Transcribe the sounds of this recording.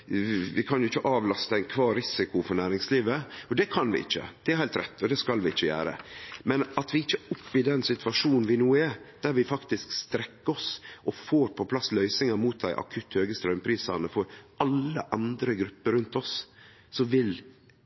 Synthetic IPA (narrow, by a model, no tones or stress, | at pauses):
ʋɪkʰɑnjʊɪçːəʔɑːʋlɑst̪əæɪnkʰʋɑːɾɪsɪkʊfɔɾnæːɾɪŋsliːʋəɔd̪ɛkʰɑnʋɪ̰ɪ̰çːə̰d̪̥ɛæɾhæɪlt̪ɾɛ̰t̪ːɔd̪ɛskɑlʋɪɪçːəjæ̰ːɾə̰mɛnɑt̪ʋɪɪçːəʊpːɪd̪ɛnsɪt̪ʰʉʋɑʂuːnn̩ʋɪnuːɛɾd̪̥æɾʋɪfɑkt̪ɪskst̪ɾɛkːəɔsʔɔfoːɾpʰɔpʰlɑslœʏsɪŋɑɾmuːt̪̚d̪æɪʔɑ̰kʰʉt̪ːhøːɡəst̪ɾœmpʰɾiːsɑ̰ɾnəfɔɾʔɑlːə̰ʔɑnd̪ɾəɡɾʉpːəɾʉnt̪ɔs | sɔʋɪl